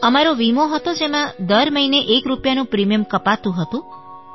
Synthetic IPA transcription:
əmaɾoʋimoɦət̪od͡ʒemãd̪əɾməineʔekɾupjanũpɾimijəmkəpat̪ũɦət̪ũ

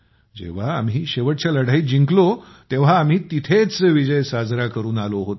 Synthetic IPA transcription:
d͡ʑḛʋ̤aːm̤iːɕeʋəʈt͡ɕjaləɽ̤aiːd͡ʑiŋklo | t̪eʋ̤aːm̤iːt̪it̪ʰet͡sʋid͡ʑəjsad͡zɾakəɾuːnaloɦot̪

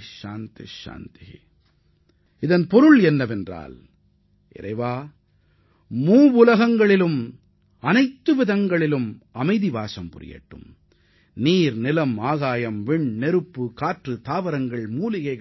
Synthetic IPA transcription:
ʃa̰ːnt̪ɪ̰ʃa̰ːnt̪ɪ | ɪðɐnpɔɾɯɭɛnːɐʋɛndra̰ːl | ʔɪ̰ɾɐ̰ɪʋaː | muːʋʊlɐɣɐŋɡɐɭɪlɯm | ɐnɐɪt̪ːɯʋɪðɐŋɡɐɭɪlɯmɐmɐɪðɪʋaːsɐmpʊɾɪ̰jḛːʈːɯ̰m | niːɾnɪlɐmaːɣaːjɐmʋɪɳnɛɾɯpːɯkaːʈrɯt̪aːʋɐɾɐŋɡɐɭmuːlɪɣɐɪɣ

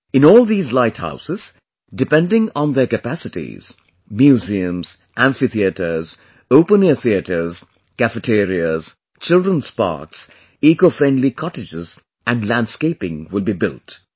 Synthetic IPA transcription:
ɪ̃nɔːlˠd̪iːzlaɪtha̰ʊsɪz̥ | dɪpɛ̃ndɪ̃ŋə̃nðəkəpæsɪtḭz̥ | mjuziə̃mz̥ | ʔæ̃ɱfiθiətə˞z | oʊpə̃niθiətə˞z | kæfətʰeɾiəz | t͡ʃɪldɾə̃nz̥pɑ̰ːɹks | iːkofɾɛ̃ndlikʰɑtɪd͡ʒɪz | ʔæ̃nɖlæ̃nɖskeɪpɪ̃ŋwɪlˠbibɪlˠt

